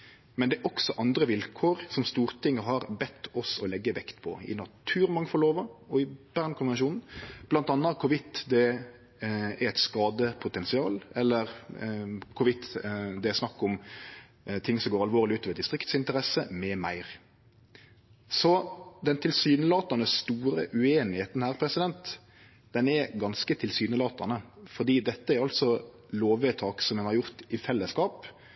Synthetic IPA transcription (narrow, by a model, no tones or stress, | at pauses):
mɛnd̪ɛɛɾʔɔksɔʔɑnd̪ɾəʋɪlkʰoːɾsɔmst̪uːʁt̪ʰɪŋːəɦɑɾbɛt̪ʰːɔsɔlɛɡːəʋɛkt̪pʰɔ̰ɪ̰nɑt̪ʰʉːɾmɑŋfɔloːʋəɔɪb̥æːʁnkʰʊnʋɛnʃuːnn̩b̥lɑnt̪ɑnːəkʰʊɾʋɪt̪ːd̪ɛ | æɾɛɪt̪skɑːd̪əpʰʊt̪ɛnsɪɑ̰ːlɛlːəɾ | kʰʊɾʋɪt̪ːd̪ɛæsnɑkːʊm | t̪ʰɪŋːsɔmɡoːɾɑlʋoːɾlɪʉːt̪ɑʋɛd̪ɪst̪ʁɪkt̪sɪnt̪əɾɛsəmɛmæɪʁ | sɔd̪ɛnt̪ʰɪlsyːnəlɑːt̪ɑnəsst̪uːɾəʔʉeːnɪheːt̪n̩hæːʁpʰɾɛsɪd̪ɛnt̪ | d̪̥ɛnɛɾɡɑnskət̪ʰɪlsyːnəlɑːt̪ɑnəfɔʁd̪iːd̪ɛt̪ːəæɾɑlt̪sɔ | loːʋɛt̪ʰɑːksɔmɛnhɑɾjʊʁt̪ɪfɛlːəskɑːp